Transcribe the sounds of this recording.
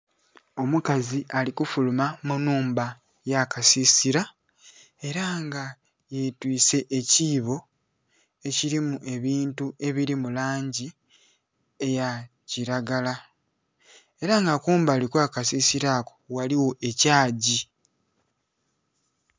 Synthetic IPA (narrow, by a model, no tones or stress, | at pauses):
o̞mukaziʔalikufulumamunuːmba | jakasisiɾa | e̞ɾaŋɡa | jetwiːse̞ʔːciːβo̞ | e̞ciɾimuʔe̞βiːntue̞βiɾimulaːɲɟi | e̞ja | ciɾaɡala | e̞ɾaŋɡakuːmbaːlikwaːkasisiɾaːko̞̥waliwo̞ʔe̞caːɟi